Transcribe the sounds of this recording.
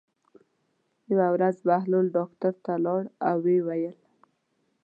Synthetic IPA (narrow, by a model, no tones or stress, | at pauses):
jawawɾazbaɦlulɖɑkt̪aɾt̪alɑɽawːewajəl